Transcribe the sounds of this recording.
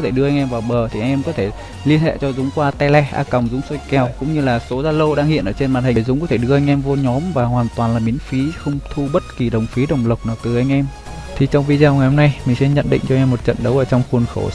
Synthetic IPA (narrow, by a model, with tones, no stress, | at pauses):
t̪ʰe˧˩ɗɨ˧əʔa˧ŋ̟ʔɛ˧mvaː˨˩wɓəː˨˩t̪ʰi˨˩ʔŋ̟ʔɛ˧mkɔ˨˦t̪ʰe˧˩ | li˧ənhḛ˧˨t͡ɕɔ˧zʊ˨˦ŋ͡mkwaː˧t̪ɛ˧lɛ˧ʔa̰ː˧kə˨˩wŋ͡mzʊ˨˦ŋ͡mso˧jkɛ˨˩wkʊ̰˧˥ŋ͡mɲɨ˧laː˨˩so˨˦zaː˧lə˧wɗaː˧ŋhḭ˧˨ənʔəː˧˩t͡ɕe˧nmaː˨˩n̚hï˨˩zʊ˨˦ŋ͡mkɔ˨˦t̪ʰe˧˩ɗɨ˧əʔa˧jŋ̟ʔɛ˧mvo˧ɲɔ˨˦mvaː˨˩ɦwaː˨˩nt̪waː˨˩nlaː˨˩ɓi˨˦ənfi˨˦xə˧wŋ͡mt̪ʰu˧ɓə˦˥t̚ki˨˩ɗə˨˩wŋ͡mfi˨˦ɗə˨˩wŋ͡mlə˨˩wk͡p̚naː˨˩t̪ɨ˨˩ʔa˧jŋ̟ʔɛ˧m | t̪ʰi˨˩t͡ɕɔ˧wŋ͡mvi˧zaː˧wŋa˨˩jho˧ŋ͡mna˧jmï˨˩ŋ̟sɛ˧ɲə̰˧˨nɗḭ̈˧˨ŋ̟t͡ɕɔ˧ɛ˧mːo˨˩t̚t͡ɕə̰˧˨nɗə˨˦wʔəː˧˩t͡ɕɔ˧wŋ͡mxu˨˩ənxo˧˩